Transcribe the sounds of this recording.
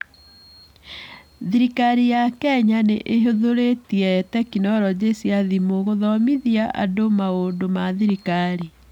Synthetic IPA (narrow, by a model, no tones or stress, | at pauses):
ðiɾikaɾijakɛɲaneʔeɦoðoɾetiɛtɛkinɔɾɔd͡ʑesjaðimoɣoðɔmiðiaʔa̰domaondomaðiɾikaɾi